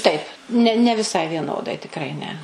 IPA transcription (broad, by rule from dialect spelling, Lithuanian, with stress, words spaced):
tɐɪp nʲɛ nʲɛ ʋʲɪˈsɐɪ ʋʲiɛˈnoːdɐɪ tʲɪkˈrɐɪ nʲɛ